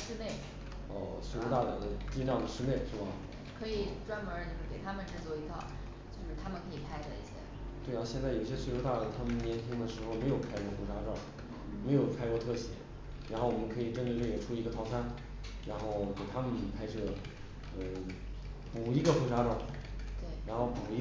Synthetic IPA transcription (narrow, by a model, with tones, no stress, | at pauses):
ʂɻ̩˥ne˥˩ɪ | ə̰˧˩swe˥˧o˧˥ʊt̪a˥˩a˨˩d̪ə˧t͡ɕi˥ʈ͡ʂɑ˥˩ŋd̪ə˩ʂɻ̩˥ne˥˩ɪʂɻ̩˥˩bɐ˩ | kʰɤ˧˥i˨˩ʈ͡ʂwa˥nmə˧˥no˥˧ʂ̩˥˩ke˨˩ɪt̪ʰa˥mə˨nʈ͡ʂɻ̩˥t͡swɔ˥˩i˧˥t̪ʰɑ̰˥˩ʊ | t͡ɕjo˥˧ʊʂɻ̩˥˩t̪ʰa˥mə˨nkʰɤ˧˥i˨˩pʰa˥ɪd̪ə˧ḭ˥˩ɕjɛ̰˥ | t̪we˥˧ɪ˥˩ɕjɛ˥˧nt͡sa˥˩ɪjo˨˩i˥˩ɕjswe˥˩˧jo˧˥t̪a˥˩ə˩t̪ʰa˥mə˨nnjɛ˧˥nt̪ʰi˥ŋd̪ə˨ʂɻ̩˧˥xo˧ʊme˧˥ɪjo˨˩ʊpʰa˥ɪ˧kwɔ˥˧fu˧˥ʂa˥ʈ͡ʂɑ˥˩ŋ | me˧˥ɪjo˨˩ʊpʰa˥ɪkwɔ˧t̪ʰɤ˥˩ɕjɛ̰˧˥ | ɻa˧˥nxo˥˩ʊwɔ˨˩mə˦nkʰɤ˧˥i˨˩ʈ͡ʂə˥nʈ͡ʂə˥˧lɛ˥˩˥ʈ͡ʂʰu˥i˧˥ɡə˧t̪ʰɑ˧˥ʊt͡sʰa˥n | ɻa˧˥nxo˥˩ʊke˨˩t̪ʰa˥mə˨n˩˨˩pʰa˥ɪʈ͡ʂɤ˥˩ɡə˩ | ə˥˧˩ | pu˨˩i˧˥ɡə˧fu˧˥ʂa˥ʈ͡ʂwɑ˥˩ | t̪we˥˩ɪɻa˧˥nxo˥˩ʊpu˨˩i˧˥